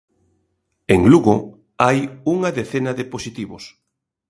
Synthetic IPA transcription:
eŋluɣo | ajuŋɐðeθenɐðeposit̪iβʊs

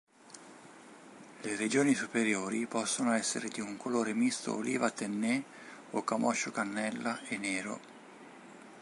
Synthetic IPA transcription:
lered͡ʒoːnisupeɾjoːɾipɔsːonoɛsːḛɾed̪iuŋkoloːɾemist̪o̰olʔḭːvat̪enːe | okamʔɔ̰ʃːokanːɛlːaenːeːɾo̰

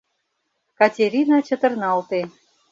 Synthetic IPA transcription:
kɑtʲeɾʲinɑt͡ɕə̆t̪ə̆rnɑlt̪e

